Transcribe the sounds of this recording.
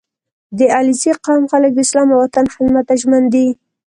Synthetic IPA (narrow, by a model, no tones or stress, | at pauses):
d̪əaliziqɑmxalək̚d̪əɪslɑmawat̪anxɪzmat̪aʒmand̪i